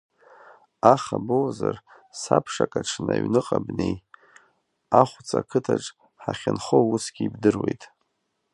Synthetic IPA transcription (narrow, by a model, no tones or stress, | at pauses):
aχabowzar | sapʰʂakʼaʈ͡ʂʰnaɥnɨqʼabnej | aχʷt͡sʰʼakʰɨtʰaʈ͡ʂʼ | ħaχʲɪnχousɡʲiibdɨrwejtʼ